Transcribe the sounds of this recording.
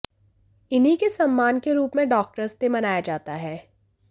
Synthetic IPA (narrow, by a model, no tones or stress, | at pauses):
ɪnɦikesɐmːaːnkeɾuːpmẽɖɔːk̚ʈəɾst̪emɐnaːjad͡ʒaːt̪aɦɛː